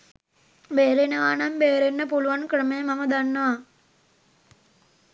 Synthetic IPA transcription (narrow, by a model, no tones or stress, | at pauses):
beːɾenɐʋaːnambeːɾenːɐpuluʋɐnkɾəmemɐmɐd̪anːɐʋa